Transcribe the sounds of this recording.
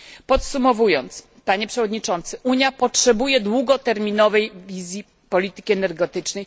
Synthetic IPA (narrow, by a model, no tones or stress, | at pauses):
pɔt̪sumɔvujɔnt̪s | paɲɛpʂɛvɔd̪ɲit͡ʂɔnt̪sɘʔuɲjapɔtʂɛbujɛd̪wuɡɔt̪ɛɾmʲinɔvɛjvʲizʲji | pɔlʲit̪ɘ̥kʲiɛnɛɾɡɔt̪ɘt͡ʂnɛj